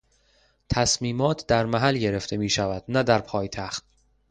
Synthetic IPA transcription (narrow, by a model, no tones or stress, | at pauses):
t̪ʰæsmiːmɒːt̪ʰd̪æɾmæɦælɟe̞ɾe̞ft̪ʰe̞miːʃævæd̪̥næd̪æɾpʰɒːjt̪ʰæxt̪̚